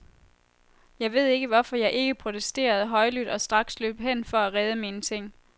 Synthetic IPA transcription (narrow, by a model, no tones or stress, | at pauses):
jɑ̈ɪʋe̝ð̞̰ˠe̝ɡ̥əʋɒfɒ̽jɑ̈ɪʔe̝ɡ̥əpʰʁo̝t͡sʰesd̥e̝̰ːɐð̞̩ˠɦɒ̽ɪlyd̥ɒ̽sd̥ʁɑ̈ɡ̥slø̰ːb̥ɦen̰fɒ̽æʁɛð̞ˠəmiːnət͡sʰe̝ŋ̰